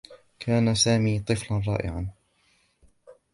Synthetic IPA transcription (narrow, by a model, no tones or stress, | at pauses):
kʰaːnasaːmiːt̪ˤɨflanɾˤɑ̰ːʔɪ̰ʕan